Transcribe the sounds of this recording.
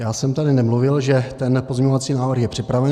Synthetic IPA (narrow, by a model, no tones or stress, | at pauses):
jaːsɛmt̪adɪnɛmluvɪlʒɛt̪ɛnpozɲɛɲo̞vat͡siːnaːvr̩xjɛpr̝̥ɪpɾavɛ